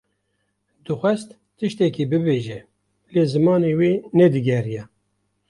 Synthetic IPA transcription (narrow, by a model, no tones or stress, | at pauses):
d̪ɨxʷɛst̪ːɨʃt̪ɛkiːbɨbeːʒɛ | leːzɨmɑːneːweːnɛd̪ɨɡɛrijɛ